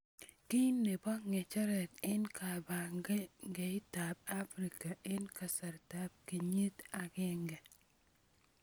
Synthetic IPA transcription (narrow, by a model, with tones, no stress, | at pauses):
ki˦nːe˨ba˦ŋɛ˨t͡ʃɔ˦ɾɛ˨tɪ˦nka˨ba˨ŋɡɛ˦ŋɡe˨ɪ˦ta˨b̚a˦fɾi˨ka˨ʔɪ˦nka˨sa˨ɾta˦b̚ki˨ɲi˦t̪a˨ɡɪ˦ŋɡɛ˨